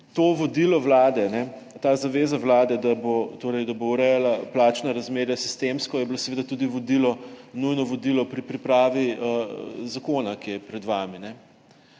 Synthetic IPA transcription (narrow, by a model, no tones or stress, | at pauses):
t̪oːʋɔd̪ilɔʋlaːd̪ɛnɛ | t̪aːzaʋeːzaʋlaːd̪ɛd̪abot̪oːɾɛjd̪abowɾɛjalaplaːt͡ʃnaɾɐzmeːɾjasi̥st̪emskɔjɛbilosɛʋeːd̪at̪ud̪iʋɔd̪ilɔnujnɔʋɔd̪ilɔpɾipɾipɾaːʋiəzakoːnakijɛpɾɛd̪ʋaːminɛ